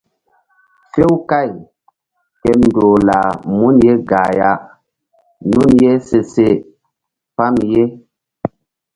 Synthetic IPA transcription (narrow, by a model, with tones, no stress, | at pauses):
fe˦wka˦˨j | kɛ˨mn˨do˨la˨mu˦nje˦ɡa˨ja˦ | nu˦˨nje˦se˨se˦ | pa˦mje˦